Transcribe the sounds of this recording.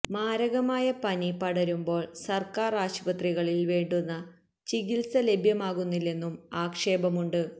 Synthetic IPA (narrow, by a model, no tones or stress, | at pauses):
maːɾɐɣɐmaːjɐpɐnipɐɽɐɾumbo̞ːɭsɐrkaːraːɕubɐt̪riɣɐɭilʋeːɳɖunːɐ | t͡ɕiɣilsɐle̞bʱjɐmaːɣunːilːe̞nːumaːkʂe̞ːbɐmuɳɖɨ